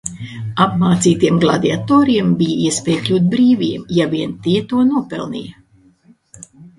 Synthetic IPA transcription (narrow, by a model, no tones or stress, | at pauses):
apmaːt̪siːt̪iɛmɡlˠad̪iat̪ɔːɾiɛmbijiɛspʲɛːjklʲuːt̪̚bɾiːviɛmjaviɛnt̪iɛt̪uɔnuɔpɛ̰lˠnḭj